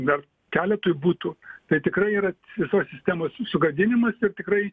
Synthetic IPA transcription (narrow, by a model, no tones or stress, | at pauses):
d̪ɐr | kʲæːlʲɛt̪oːjʊbuːt̪uːt̪ɐɪt̪ʲɪkrɐɪiːɾɐʋʲɪsoːssʲɪsʲt̪ʲæːmoːssʊɡɐd̪ʲɪnʲɪmɐsɪrt̪ʲɪkɾɐɪ